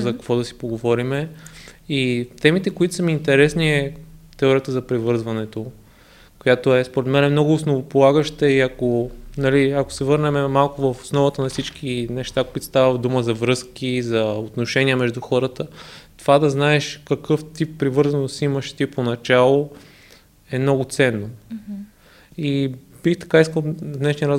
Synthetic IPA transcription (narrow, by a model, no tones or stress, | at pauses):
zɐkɐkvɔd̪ɐsi̥poɡovɔɾimɛ | it̪ɛmit̪ɛkoit̪ʊsɐmiːnt̪ɛɾɛsniɛt̪ɛɔɾiət̪əzɐpɾivɤɾzvɐnɛt̪o | kojat̪oɛspoɾɛt̪mɛnɛmnɔɡʊːsnovopolˠaɡəʃt̪ɛiɐkonɐliɐko̥sɛvɤɾnɛmɛmalˠkʊvəfo̥snɔvət̪ənɐfsit͡ʃk̟ʰinɛʃt̪akoit̪o̥st̪avəd̪uməzɐvɾɤskizɐot̪noʃɛniəmɛʒd̪uxɔɾət̪ət̪ovad̪ɐznaɛʃkɐkɤft̪ipːɾivɤɾzɐnosiməʃt̪iponɐt͡ʃalˠo | ɛmnɔɡʊt̪sɛnːo | i | bixt̪ɐ̥kaiskəlˠd̪nɛʃniəɾaz